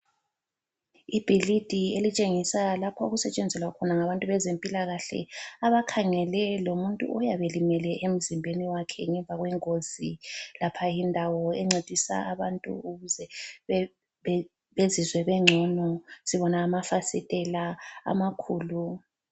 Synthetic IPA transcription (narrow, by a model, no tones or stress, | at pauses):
ib̥ʱilid̥ʱielit͡ʃʼeŋisalapʰauɣusɛt͡ʃʼɛnd͡zʱɛlwakʰɔnaŋaβantʼuβɛzempʼilaɣaɬɛ̰aβakʰaŋɛlɛlomuntʼṵʔɔjaβelimɛlɛʔem̩zimbʱeniwakʰɛŋɛɱvʱaɣwɛŋoz̥ilapʰajindʱawɔɛŋ͡ǀed̥ʱisa̰aβantʼṵuɣuzɛ | βezizwɛβɛŋ͡ǀʱɔnɔsiβɔnaːmafasitʼɛlaa̰makʰuːlu